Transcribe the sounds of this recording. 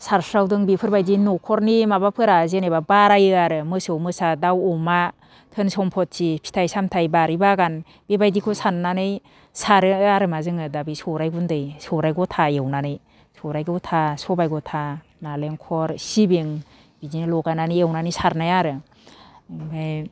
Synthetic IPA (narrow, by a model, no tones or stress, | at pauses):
saɾsɾawdɯŋbipʰɯɾbajdinɔkʰɔɾnimabapʰɯɾazenebabaɾajɯaɾɯmɯsɯwmɯsadawɔma | tʰɯnsɔmpʰɔt̚sipʰi̥tʰajsamtʰajbaɾibaɡan | b̥ebajdikʰɔsanːanɯj | saɾɯaɾɯmazɯŋɯdabisɔɾajɡundɯjsɔɾajɡɔtʰaewnanɯj | sɔɾajɡɯwtʰasɔbajɡɔtʰa | naleŋkʰɔɾsibeŋ | b̥izinilɔɡananɯjewnanɯjsaɾnajaɾɯ | baj